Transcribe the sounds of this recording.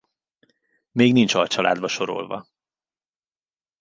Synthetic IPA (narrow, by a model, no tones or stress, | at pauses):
meːɡnint͡ʃɒjt͡ʃɒlʔa̰ːd̪bɒʃo̞ɾo̞̰lvɒ̰